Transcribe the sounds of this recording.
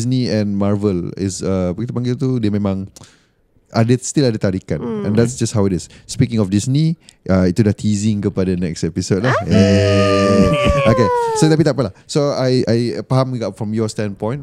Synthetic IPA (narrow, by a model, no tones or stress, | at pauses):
sniɛ̃nmaɹvəlɪ̰səpəkit̪əpãŋɡɪlt̪udiəmẽmãŋ | ʔadəst̪iladat̪aɾikanɛ̰̃ndɛtsd͡ʒasthawɪɾɪsːpikɪ̃ŋɔfdisniʔait̪udat̪ʰizɪ̃ŋkəpadanɛkstɛpisod̚lae | akesot̪apit̪aʔpalahsoajajpaɦamuɡafɹɔ̃mjɔstɛ̃npɔ̃j̃n